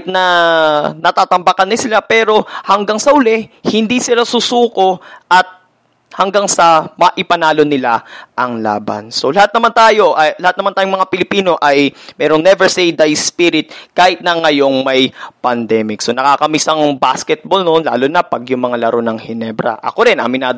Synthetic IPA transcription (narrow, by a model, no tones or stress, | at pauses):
t̪̚nɐ | nɐt̪aːt̪ɐmbakɐnɐɪsɪlapɛːɾo̞hɐŋɡaŋsɐʔʊlɛhɪnd̪isɪlasʊsuːko̞ʔɐt̪̚ | hɐŋɡaŋsɐmɐʔɪpɐnaːlo̞nɪlaʔɐŋla̰ːbɐ̰nso̞lɐhat̪nɐmant̪aːjo̞ʔɐjlɐhat̪̚nɐmant̪aːjoŋmɐŋapɪlɪpiːno̞ʔɐjmɛːɾoŋnɛvɛɹsejd̪ajspiɾɪt̪̚kaːhɪt̪̚nɐŋɐjo̞ŋmɐjpɐnd̪ɛːmɪk̚so̞nɐkaːkɐmisɐŋbaskɛt̪̚bolnonla̰ːlʊnɐpɐɡjʊŋmɐŋalɐɾonɐŋhɪnɛbɾɐ̰ʔɐ̰ko̞ɾɪnʔɐ̰mɪnaːd̪